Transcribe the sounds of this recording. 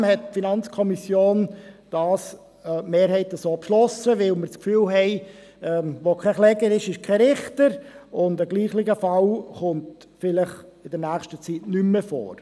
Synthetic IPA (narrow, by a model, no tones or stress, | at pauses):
mhɛt̚finɑnt͡skʰɔmisjoːnd̥ɑːs | meːɾhɛɪtəsoːpʃlɔsəʋɪlməɾt͡skfyːlɦɛɪ | ɛʋokʰɛχlɛɡəɾɪʃɪʃkʰɛɾɪχtəɾʊndəɡliːχlɪɡəfɑlχʊnt | fɪlɪχɪdəɾnæːχʃtət͡sitnymːəfo̰ːɾ